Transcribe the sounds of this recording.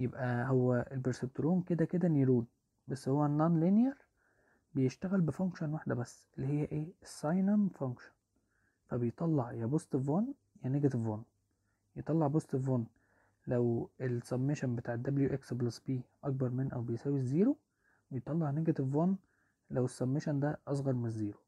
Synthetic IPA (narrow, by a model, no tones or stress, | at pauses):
jebʔæɦowːæʔelbeɾseb̚t̪oɾuːnked̪æked̪æniːɾuːn | bæsːhowːænːɑnlinjɑɾ | bejeʃt̪æɣælbefoŋkʃɑnwaħd̪æbæsːʔelːihejːæʔeːsːɑjnæmfoŋkʃɑ̥n | fæbejet̪ˤɑlːɑʕjæbosˤt̪ˤevɑn | jæneɡæt̪evon | jet̪ˤɑlːɑʕbosˤt̪ˤevon | læwelsɑmːeʃæmbet̪aːʕed̪ːɑbljuʔeksblɑsbiːʔɑk̚bɑɾˤmenʔæ̰wbejsæːwizːiːɾo | bejet̪ˤːɑlːɑʕjneɡæt̪von | læwesːɑmːeʃænd̪æʔɑs̬ˤɣɑɾˤmenezːiːɾo̥